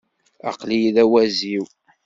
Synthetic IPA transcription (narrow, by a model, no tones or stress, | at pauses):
ɑ̰qlijðæwæziw